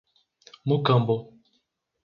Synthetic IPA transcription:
mukambo

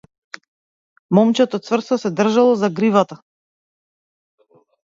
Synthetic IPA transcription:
mɔmt͡ʃɛt̪ɔt̪svr̩st̪ɔsɛd̪r̩ʒalˠɔzaɡɾivat̪a

